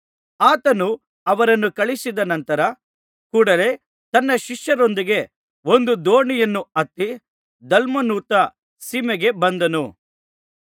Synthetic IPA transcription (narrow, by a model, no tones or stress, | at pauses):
aːt̪ɐnu | ɐʋɐɾɐnːukɐɭisid̪ɐnɐnt̪ɐɾɐ | kuːɽɐle̞ | t̪ɐnːɐʃiʂjɐɾo̞nd̪iɡe̞ | o̞nd̪ud̪oːɳijɐnːuɐt̪ːi | d̪ɐlmɐnuːt̪ɐ | simeɡe̞bɐnd̪ɐnu